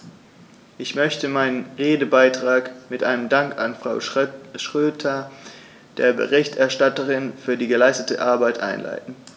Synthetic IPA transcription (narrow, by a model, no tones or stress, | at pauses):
ʔɪçmœçtəmaɪnənʁeːdəbaɪtʁ̥aːkmɪtʔa̰ɪnəmdaŋkanfʁ̥aʊʃʁ̥øːtʰɐ | d̥ḛːɐbə̰ʁɪçtʔɛɐʃtatəʁɪnfyːɐdiːɡəlaɪstətə̰ʔaɐbaɪtʔa̰ɪnla̰ɪtn̩